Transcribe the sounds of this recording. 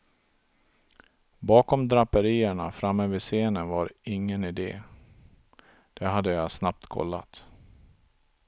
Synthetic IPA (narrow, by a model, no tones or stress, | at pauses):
bɑːkɔmd̪ɾapːəɾiːəɳafɾamːøːvəseːnənvaɾɪŋːənɪd̪ḛː | d̪̥ɛɦad̪ːəjasnap̚t̪kʰɔ̰lːa̰t̪